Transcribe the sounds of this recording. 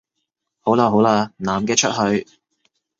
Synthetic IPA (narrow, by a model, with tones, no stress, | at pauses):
ho˨˥wlaː˧ɦo˨˥wlaː˧naː˨˩mkɛː˧t͡ʃʰɵ˥t̚hɵ˧ɥ